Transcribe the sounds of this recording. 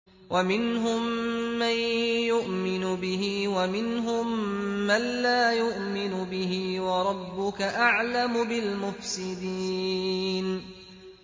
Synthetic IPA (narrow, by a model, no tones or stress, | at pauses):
wʔamɪnɦʊmːanjʊʔmɪnʊbɪɦiːwamɪnɦʊmːanːaːjʊʔmɪnʊbɪɦɪwɑɾˤɑbːʊkaʔaʕlamʊbɪlmʊfsɪd̪iːn